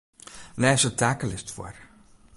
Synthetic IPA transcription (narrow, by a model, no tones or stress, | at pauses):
nɛːsətʰaːkəlɪstfɔ̰r